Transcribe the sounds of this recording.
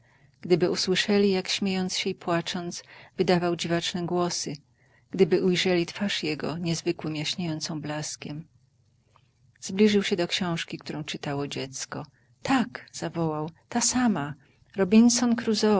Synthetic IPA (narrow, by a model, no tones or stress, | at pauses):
ɡ̥d̪ɘbɘuswɘʂɛlʲijakɕmʲjejɔnt̪sɕɛipwat͡ʂɔnt̪svɘd̪avawd͡ʑivat͡ʂnɛɡwɔsɘ | ɡ̥d̪ɘbɘʔujʐɛlʲit̪faʂjɛɡɔɲɛzvɘkwɘmjaɕɲejɔnt̪sɔ̃w̃blaskʲɛm | z̥blʲiʐɘwɕɛd̪ɔkɕɔ̃w̃ʂkʲikt̪uɾɔ̃w̃t͡ʂɘt̪awɔd͡ʑɛt̪skɔ | t̪ʰakz̥avɔwawt̪asama | ɾɔbʲinsɔnkɾuzɔ